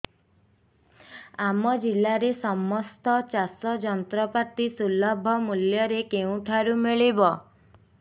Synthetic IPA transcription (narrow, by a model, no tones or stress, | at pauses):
amɔd͡ʒilaɾesɔmɔst̪ɔt͡ʃasɔd͡ʒɔnt̪ɾɔpat̪isulɔbʱɔmuljɔɾekeũʈʰaɾumiɭibɔ